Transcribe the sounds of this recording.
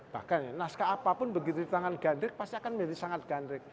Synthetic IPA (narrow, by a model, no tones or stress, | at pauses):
b̥ahkanenaskaːpapʊnbəɡit̪ut̪aŋanɡ̥a̤ndɾɪk̚past̪iakanmed̪isaŋat̪̚ɡ̥a̤ndɾɪk̚